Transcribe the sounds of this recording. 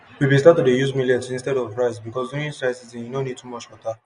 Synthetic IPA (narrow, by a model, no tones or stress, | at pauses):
wibĩstatudejuzmiliɛ̃tĩnstɛɾɔvɹaɪsbikɔsdõĩnsɹaɪsizĩnjunõnid̚tʰumɔt͡ʃwɔta